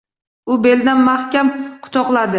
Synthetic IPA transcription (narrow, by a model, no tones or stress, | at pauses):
ʊbeld̪anmahkʲamqʰʊ̥t̪ʰɒqlˠad̪ɪ